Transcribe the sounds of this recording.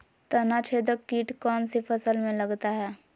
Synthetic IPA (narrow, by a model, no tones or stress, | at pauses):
t̪ɐnat͡ʃʰed̪əkːiːʈkɔːnsifəsəlmẽlɐɡt̪aɦɛː